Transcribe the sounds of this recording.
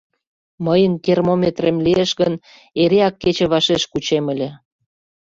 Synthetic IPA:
məjənkermomʲet̪remlieʃɣən | eɾeɑkːet͡ɕĕβɑʃeʃkut͡ɕemə̆lʲĕ

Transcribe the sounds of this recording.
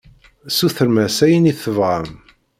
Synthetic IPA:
suθəɾmæsæjəniθəvʁəm

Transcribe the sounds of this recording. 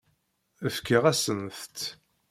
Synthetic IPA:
əfkəʁæsənθt̪

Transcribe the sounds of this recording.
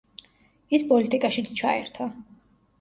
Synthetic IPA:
ispʼɔlit̪ʼikʼaʃit̪sʰt͡ʃʰaɛ̰ɾt̪ʰa

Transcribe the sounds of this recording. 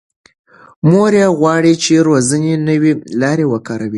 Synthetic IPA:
moɾjaɣwɑɽit͡ʃeɾozənenəwelɑɾewəkɑɾawi

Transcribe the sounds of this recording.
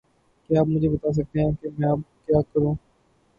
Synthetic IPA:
keaːpmʊd͡ʒʱebɐt̪aːs̬ɐk̚t̪eɦɛ̃ːkemɛ̃ːaːp̚kjaːkɐɾũː

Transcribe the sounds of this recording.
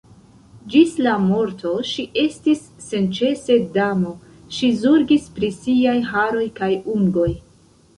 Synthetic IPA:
d͡ʒislamo̞ɾtʰo̞ʃiʔe̞stisːe̞nt͡ʃe̞se̞damo̞ | ʃizuɾɡispɾisiajɦaɾo̞jkajuŋɡo̞j

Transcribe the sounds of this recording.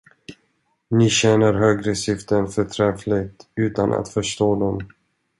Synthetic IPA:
nɪɕɛnəɾɦøːɡɾəsɪft̪ənfœʈʰɾɛflɪɡt̪ʉ̟ːt̪anʔa̰t̪fœʂʈoːd̪ɔm

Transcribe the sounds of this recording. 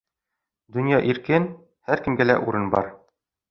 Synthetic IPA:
d̪ɵ̆njɑʔiɾkɘn | hæɾkɘ̆mɡælæʔuɾɤnbɒ̰ɾ

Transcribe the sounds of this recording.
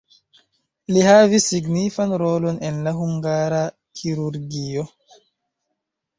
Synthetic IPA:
lihavisːiɡnifanɾo̞lo̞nenlaɦuŋɡaɾa | kʰiɾuɾɡio̞

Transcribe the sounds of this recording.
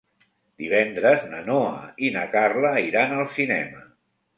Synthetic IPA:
d̪iβ̞ɛnd̪ɾəznənoə̰inəkarləiɾanəlˠsinɛmə

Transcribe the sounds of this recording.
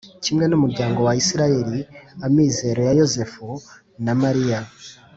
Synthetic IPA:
cimɡanumuɾɟaːŋɡo̞waisiɾaje̞ɾiamiːze̞ɾo̞jajo̞ze̞fu | namaɾija

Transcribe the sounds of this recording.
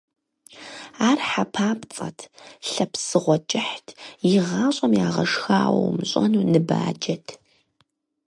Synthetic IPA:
aːrħapʰaːpt͡sʼɐ̰tʰɬɐpsɨʁʷɔd͡ʒʼɪħtʰjɪʁɑːɕʼɐmjaːʁɐ̰ʂxaːw̰wmɕʼɐnuːnɨba̰ːd͡ʒɐtʰ

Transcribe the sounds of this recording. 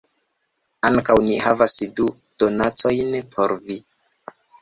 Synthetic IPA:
aŋkawnihavasdu | d̥o̞nat͡so̞jnpʰo̞ɾvi

